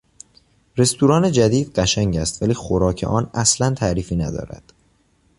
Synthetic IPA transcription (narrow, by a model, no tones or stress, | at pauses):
ɾe̞st̪ʰuːɾɒːne̞d͡ʒæd̪iːd̪̥ɢæʃæŋɟæst̪væliːxoɾɒːcʰe̞̰ʔɒːnæslænt̪ʰæːɾiːfiːnæd̪ɒ̰ːɾæ̰d̪̥